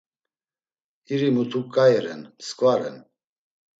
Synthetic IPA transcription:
iɾimut̪ʰukʼajɛɾɛ̰nskʼvaɾɛ̰n

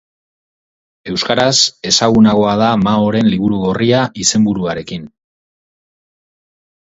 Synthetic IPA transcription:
e̞wskaɾase̞saɣunaɣ̞o̞að̞amao̞ɾe̞nliβ̞uɾuɣoriaʔise̞mbuɾuaɾe̞kin

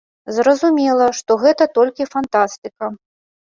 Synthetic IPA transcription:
zɾɐzumʲɛlˠɐʂt̪ɔɣɛt̪ɐt̪ɔlʲkʲifant̪ast̪ɨkɐ

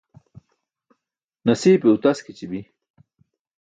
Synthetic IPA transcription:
nɐsiːpeut̪askit͡ɕibi

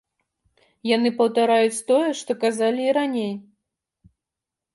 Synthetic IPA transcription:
janɨpɐwt̪aɾajut͡sʲt̪ɔjɛʂt̪ɔkazalʲiːɾanʲej

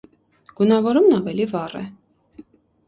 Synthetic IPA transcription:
ɡ̥unɑvɔɾumnɑvɛlivɑrɛ̰

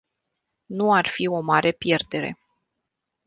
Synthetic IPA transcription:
nuarfio̞maɾʔe̞pje̞rd̪e̞ɾe̞̰

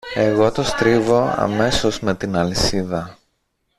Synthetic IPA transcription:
e̞ɣo̞t̪o̞st̪ɾivo̞ɐ̰me̞so̞zme̞t̪inɐlisiðɐ

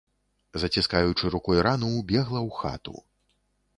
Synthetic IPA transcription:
zɐt͡sʲiskajut͡ʂɨɾukɔjɾanuwbʲɛɣlˠɐwxa̰t̪ṵ

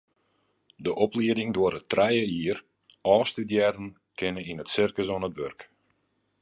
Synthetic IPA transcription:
dəʔɔpliədɪŋdʊəɾətrɛjəiər | ɔːstydjɛɾən | kʰɪnəinətsɪrkəsɔnətʋørk

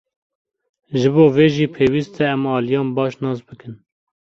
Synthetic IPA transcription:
ʒɨboːveːʒiːpʰeːwiːst̪ʰɛɛmɑːlijɑːnbɑːʃnɑːs̬bɨkɨn

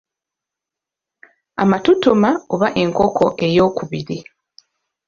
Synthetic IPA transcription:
a̰matutumaoβaʔe̞ŋkokʰo̞ʔe̞jo̞ːkuβiɾi

